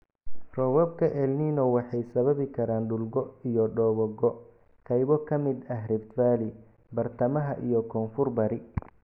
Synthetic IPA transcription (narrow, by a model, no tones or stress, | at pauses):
rɔβɔb̚kʰɐʔɛlniːnɔwɑħɑjsɐβɐβɪkʰɐɾaːnɖʊlɡɔijɔɖɔːβɔɡɔ | qɛjβɔkʰɐmɪd̪ɐɦrɛbt̪faːlɪ | bɐrt̪ʰɐmɐɦɐʔḭjɔkʰɔːnfʊrbɐɾɪ